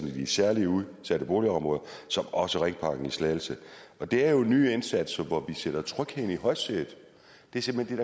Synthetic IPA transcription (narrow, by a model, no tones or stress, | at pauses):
nid̥isæɐliəuðˠsæɾ̥əb̥o̝ːliɒ̽mʁɔ̽ːðˠɐsɒ̽mɒ̽səʁeŋpʰɑ̈ːɡ̥n̩islɛːl̩səɒ̽d̥e̝æɐjo̝ny̰ːe̝nsæd̥sɐʋɒʋiseɾ̥ɐt͡sʰʁœɡ̥heniɦɒ̽ɪseð̩ˠ | d̥e̝æɐse̝m̥hend̥e̝dɑ̈